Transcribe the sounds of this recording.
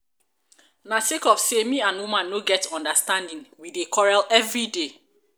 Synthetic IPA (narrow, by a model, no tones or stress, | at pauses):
nasekɔfsemĩãnwumãnːoɡɛtɔ̃ndastãndĩnwidekʰɔɹalɛvɹide